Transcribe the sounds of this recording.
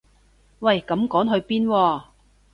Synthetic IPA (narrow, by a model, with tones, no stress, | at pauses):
wɐ˨˩jkɐ˨˧˥mkɔː˨˥nɦɵ˧ɥpiː˥nwɔː˧˩